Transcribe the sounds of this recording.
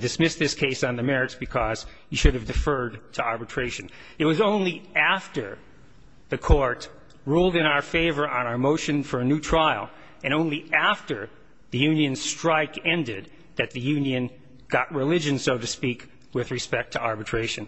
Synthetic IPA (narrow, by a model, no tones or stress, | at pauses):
dɨsmɪsðɪskʰeɪsn̩ðɨmɛɹɨtsb̥ɨkʰʌz̥ | jɨʃʊɾɨvdɨfɜ˞d̚tʰəɑɹbɨtʰɹ̥eɪʃɨ̃n | ɨt̚wʌzõʊ̃nliæftə˞ | ðɨkʰɔɹt̪ | ɹulˠdɨ̃ñaʊə˞feɪvə˞ʔə̃ñaʊə˞moʊʃɨ̃nfə˞ɨnʉtʰɹ̥aɪl̩ˠ | ɨ̃ñõʊ̃nliæftə˞ | ðɨjʉ̃njɨ̃n̥stɹ̥aɪkɛ̃ndɪd̪̚ | ðɨt̪̚ðɨjʉ̃njɨ̃n | ɡ̥ɑʔ̚ɹɨlɪd͡ʒɨ̃nsoʊɾɨspik | wɪðɹɨspɛk̚tʰɨʔɑɹbɨtʰɹ̥eɪʃɨ̃n